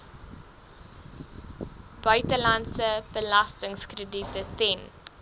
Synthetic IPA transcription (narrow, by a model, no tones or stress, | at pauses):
b̥œɥtəlɐntsəb̥əlɐstəŋskrəditətɛn